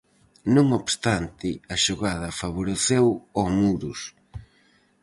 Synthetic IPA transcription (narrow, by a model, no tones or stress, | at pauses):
nõŋoβst̪ant̪ɪɐʃoɣað̞ɐfaβoɾeθewɔmuɾʊs